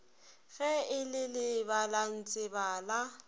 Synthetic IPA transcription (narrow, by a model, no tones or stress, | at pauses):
ɣɛɪlɪlɪbalan̩t͡sʼɪbaːla